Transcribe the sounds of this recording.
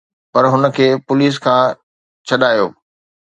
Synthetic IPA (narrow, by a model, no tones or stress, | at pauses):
pɐɾɦʊnə̆kʰeːpʊliːs̬kʰãː | t͡ɕʰɐɗaːjoː